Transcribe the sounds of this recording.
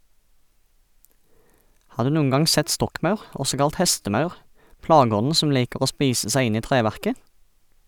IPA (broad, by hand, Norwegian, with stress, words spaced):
ˈhɑː ˈdʉː ˈnuːən ˈɡɑŋ ˈsɛt ˈstɔkˌmɑʉʁ ˈɔsɔ ˈkɑlt ˈhɛstəˌmɑʉʁ ˈplɑːɡəˌɔnn̩ ˈsɔm ˈliːkəʁ ˈoː ˈspiːsə ˈsæɪ ˈɪn ˈiː ˈtʁeːˌʋæʁkə